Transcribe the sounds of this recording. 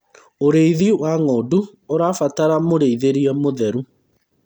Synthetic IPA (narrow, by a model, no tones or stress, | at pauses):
oɾeiðiwaŋɔdu | oɾaːfataɾamoɾeiðeɾiɛmoðɛɾu